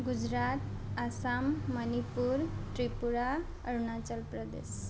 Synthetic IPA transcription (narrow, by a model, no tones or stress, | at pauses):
ɡud͡ʑɾat̪ | asamːənipuɾʈɾipuɾa | əɾunat͡səlpɾəd̪ḛs